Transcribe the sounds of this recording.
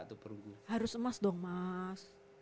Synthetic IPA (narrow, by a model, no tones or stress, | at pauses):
ʔt̪upəɾuɡuhaɾʊsəmasdoŋmas